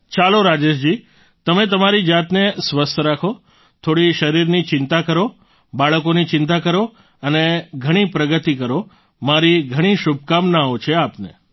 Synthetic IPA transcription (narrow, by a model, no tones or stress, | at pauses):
t͡ʃaloɾad͡ʒeʃd͡ʒi | t̪əmet̪əmaɾid͡ʒat̪nesʋəst̪ʰəɾakʰo | t̪ʰoɽiʃəɾiɾnit͡ʃɪnt̪akəɾo | baɭəkonit͡ʃɪnt̪akəɾo | əneɡʱəɽ̃ipɾəɡət̪ikəɾo | maɾiɡʱəɽ̃iʃub̚ʱkamnaot͡ʃʰeapnḛ